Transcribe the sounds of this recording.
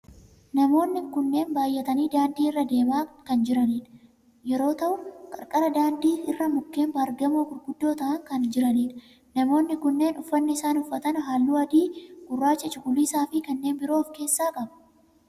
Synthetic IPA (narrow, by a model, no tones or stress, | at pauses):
nɐmo̞ːnːɪkʊnːe̞ːnbaːjːɛt̪ɐniːd̪aːnd̪iːɪrːɐd̪e̞ːmaːkɐnd͡ʒɪɾɐniːᶑɐ | jɛɾo̞ːt̪ɐʔʊkʼɐɾkʼɐɾɐd̪aːnd̪iːɪrːɐmʊkːe̞ːmbɐːɾɡɐmoːkʊɾɡʊd̪ːo̞ːt̪ɐʔɐŋkɐnd͡ʒɪɾɐniːᶑɐ | nɐmo̞ːnːɪkʊnːe̞ːnʊfːɐnːɪɪsaːnʊfːɐt̪ɐnɦaːlːuːɐd̪iːɡʊrːaːt͡ʃɐt͡ʃʊɡʊliːsaːfɪkɐnːe̞ːnbɪɾo̞ːfke̞ːsːaːkʼɐbɐ̥